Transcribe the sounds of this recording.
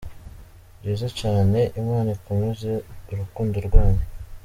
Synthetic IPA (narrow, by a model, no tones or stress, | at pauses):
ɟeːzecaːne̞ʔimŋaːnakumuzeuɾukuːndoɾɡwaːɲe